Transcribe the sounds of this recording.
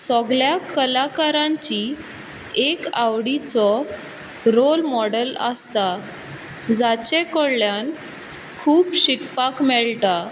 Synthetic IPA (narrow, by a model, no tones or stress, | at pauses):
sɔɡɭjakəlakaɾãɲt͡ɕi | ekawɽit͡sɔ | ɾolmɔɽələ̰st̪a | d͡zat͡ɕekɔɽljan | kʰuːpɕikpakmɛɭʈa